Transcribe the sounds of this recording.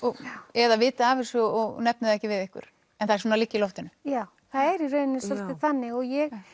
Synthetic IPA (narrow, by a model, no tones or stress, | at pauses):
ɔɛðavɪːt̪aaːvɪ̥sʏɔɣnɛpnʏðɛhcɪvɪðɪhkʏ̰ɾ̥ | ɛnθaðɛsuːnalicːɪlɔft̪ɪnʏjaːw | θaðɛɾirœːɥnɪnɪsɔft̪ɪθanːɪɣɔɣjɛɣ